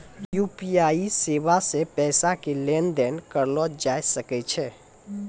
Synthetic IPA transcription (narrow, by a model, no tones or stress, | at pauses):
jupiaisebasepɛːsakelend̪ɛnkəɾlɔd͡ʒajsəkɛt͡ʃʰɛ